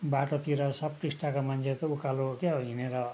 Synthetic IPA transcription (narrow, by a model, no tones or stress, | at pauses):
baʈot̪iɾʌsʌb̚ʈisʈakomant͡sʰet̪ʌukalokeɦoɦineɾʌ